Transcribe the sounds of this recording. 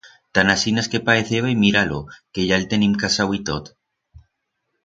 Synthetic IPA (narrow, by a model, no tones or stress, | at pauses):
t̪anasinaskepaeθeβajmiɾalokeʝalt̪enimkasawit̪ot̪